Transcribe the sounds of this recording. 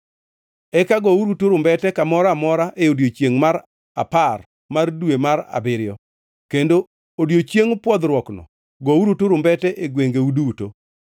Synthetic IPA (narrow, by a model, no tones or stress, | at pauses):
ɛkaɡɔuɾutoɾʊmbɛtɛkamɔɾamɔɾaʔeodjot͡ʃjeŋmaɾ | a̰par | mardwemaɾa̰bɪɾɪjɔ | kendo | odjot͡ʃjeŋpwɔd̪ɾwɔknɔ̰ | ɡɔuɾutoɾʊmbɛtɛʔeɡweŋɡeuduuto